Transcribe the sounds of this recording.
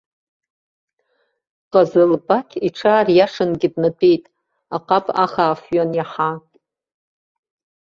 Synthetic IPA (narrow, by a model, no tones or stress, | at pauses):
qʼazɨlbʼakʲʰiʈ͡ʂʰaːrjaʂɨnɡʲɪdnatʷʰejtʼ | aqʼapʼa̰χaːfɥanjaħa